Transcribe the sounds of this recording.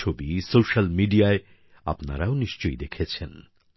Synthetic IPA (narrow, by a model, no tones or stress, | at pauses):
obisoʃalmiɖiae | a̰pna̰ɾaoniʃt͡ɕojd̪ekʰet͡ɕʰen